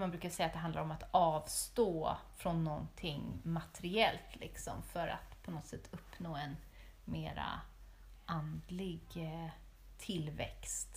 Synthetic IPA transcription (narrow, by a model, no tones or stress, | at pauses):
manbɾʉ̟kasɛjːat̪d̪ɛɦand̪aɾɔmat̪ɑːvst̪oːfɾɔnːɔnt̪ʰɪŋmat̪ʰɛɾɪɛlt̪lɪksɔ̰mfœɾa̰t̪pʰɔnɔt̪sɛt̪ʰːɵpːnoːɛn | meːɾa̰ | ʔand̪lɪɡ | t̪ʰɪlvɛ̰kst̪